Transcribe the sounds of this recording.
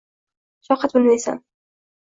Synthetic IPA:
ʃɒqɑt̪̚bɪlmajsa̰n

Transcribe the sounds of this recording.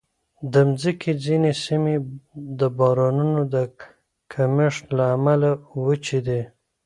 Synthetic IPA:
d̪əmzikʰid͡zinesimed̪əbɑɾɑnunod̪ə | kʰamɪʂlaːmalawət͡ʃid̪e

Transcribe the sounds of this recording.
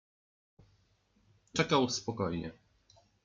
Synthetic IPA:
t͡ʂɛkawspɔkɔjɲɛ̰

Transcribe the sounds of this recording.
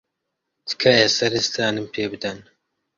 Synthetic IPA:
d̪ɨ̥kʰɐjɛsɐɾist̪ʰaːnɨmpʰeːbɨd̪ɐn

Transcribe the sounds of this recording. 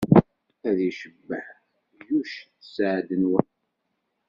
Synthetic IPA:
æðiʃəbːəħ | juʃθəsʕd̪ənwən

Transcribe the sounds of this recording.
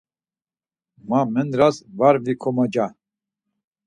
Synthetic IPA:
mamɛnɾasvaɾvikʰɔmad͡ʒa

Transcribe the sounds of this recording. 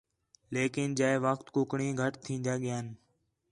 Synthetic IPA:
leːkɪnd͡ʒaːeʋəxt̪kʊkɳĩːɡʱəʈt̪ʰĩːnd̪aːɠɪjaːn

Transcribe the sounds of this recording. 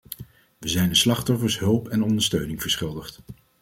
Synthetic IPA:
ʋəzɛjnəslɑχtɔfəɹsɦɵlˠpɛnɔndəɹstøɥnɪŋv̥əɹsχɪlˠdəχt

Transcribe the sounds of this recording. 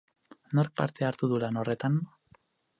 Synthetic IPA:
no̞ɾk̚pa̰ɾt̪eaɾt̪uðulano̞re̞t̪an

